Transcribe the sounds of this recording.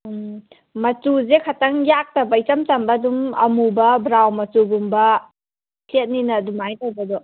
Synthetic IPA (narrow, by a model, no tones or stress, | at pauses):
mɐtuzekʰatɐŋjak̚tɐbɐit͡ʃɐmt͡ʃɐmbɐːdumɐmubɐbɾawmɐtuɡumbɐ | sʰet̚ninɐːdumajtawbɐdɔ